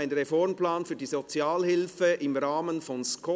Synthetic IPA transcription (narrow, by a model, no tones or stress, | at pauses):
ɪnʁefɔɾmplaːnfyːɐdiːzot͡sjaːlhɪlfəʔɪmʁaːmənfɔnskʰɔ